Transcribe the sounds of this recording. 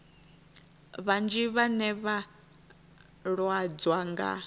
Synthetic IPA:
βand͡ʒiβanɛβa | ɺwad͡zwaŋɡa̰

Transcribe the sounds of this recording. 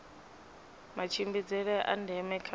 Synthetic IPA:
mat͡ʃʰimbid͡zɛɺɛʔa̰ndʱɛmɛkʰ

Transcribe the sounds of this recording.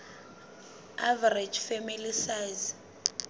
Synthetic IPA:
avɛɾed͡ʒfemilisaz

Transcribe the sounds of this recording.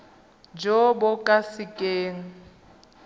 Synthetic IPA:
d͡ʒɔbʊkʼasɪkʼeːŋ̩

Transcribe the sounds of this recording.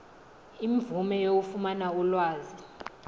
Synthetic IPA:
iɱvumɛjok̬ufumanaulwaːzi

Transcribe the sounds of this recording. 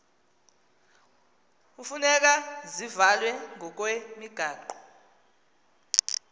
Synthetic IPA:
ufunɛk̬azivalwɛŋʱɔk̬ʼwemiɡ̥ʱaːǃɔ

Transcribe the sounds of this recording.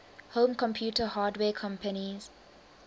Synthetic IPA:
hõːmkʰɔ̃mpʰjuːtəhaːdwɛːkʰɔ̃mpəniz̥

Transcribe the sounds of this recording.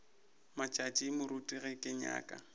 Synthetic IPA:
mat͡ʃʼat͡ʃʼimʊɾutʼiɣɛkʼɪɲa̰ːkʼa̰

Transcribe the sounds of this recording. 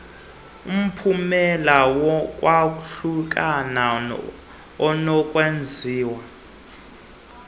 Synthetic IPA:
um̩pʰumɛlawɔk̬ʼwak̬ʼuɬuk̬ʼana | ɔnɔkʼwend͡zʱiːwa

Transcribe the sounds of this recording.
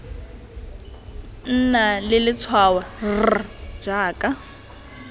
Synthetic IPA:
n̩ːnalɪlɪt͡sʰwaward͡ʒaːkʼa

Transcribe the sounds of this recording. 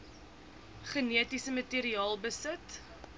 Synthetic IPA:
χəniətisəmətiːɾiɑːlˠbəsət

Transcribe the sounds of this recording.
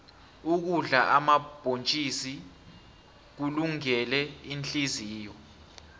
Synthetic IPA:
uk̬uɮaʔamab̥ʱont͡ʃʼisi | k̬uluŋɛlɛinɬʼiziːjɔ

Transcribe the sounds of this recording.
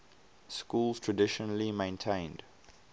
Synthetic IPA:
skuːlˠz̥tʰɹ̥ədɪʃənəlimẽɪ̃ntʰẽɪ̃nd̥

